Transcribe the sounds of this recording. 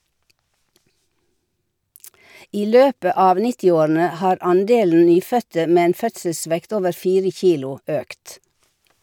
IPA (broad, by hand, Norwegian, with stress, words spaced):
ˈiː ˈløːpə ˈɑːʋ ˈnɪtɪˌoːɾn̩ə ˈhɑːɾ ˈɑnˌdeːln̩ ˈnyːˌfœtə ˈmeː ˈeːn ˈfœtsəˌsʋɛkt ˈoːʋəɾ ˈfiːɾə ˈçiːlʊ ˈøːkt